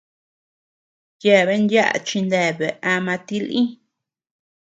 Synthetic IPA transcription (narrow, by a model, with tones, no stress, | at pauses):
je˦˨βe˦nd̪ja˦ʔa̰˧t͡ʃi˧nd̪e˧˨βe˨ʔa˧mã˧t̪i˦lĩ˦